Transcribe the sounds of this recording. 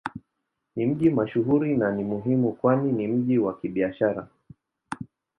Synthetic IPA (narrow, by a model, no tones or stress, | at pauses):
nim̩ʄimaʃuɦuɾinanimuɦimukwaninim̩ʄiwakiɓiaʃaɾa̰